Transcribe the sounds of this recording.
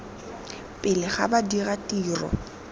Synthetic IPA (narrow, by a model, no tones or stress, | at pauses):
pʼɪlɪχabadiɣatʼiːrɔ̰